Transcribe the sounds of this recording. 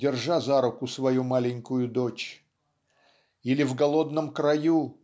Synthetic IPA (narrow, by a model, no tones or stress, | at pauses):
dʲɪrʐazaɾʊkʊsvɐjumalʲɪnʲkʊjʊd̪ot͡ɕ | ilʲɪvɡɐlˠo̞d̪nəmkɾɐju